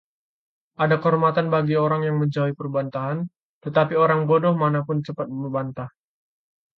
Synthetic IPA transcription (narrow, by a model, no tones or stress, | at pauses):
ʔadakəɦɔɾmat̪anbaɡioɾaŋjaŋməɲd͡ʒawipərbant̪aɦan | t̪ət̪apioɾaŋbodɔhmanapʊnt͡ʃəpat̪̚məbant̪ah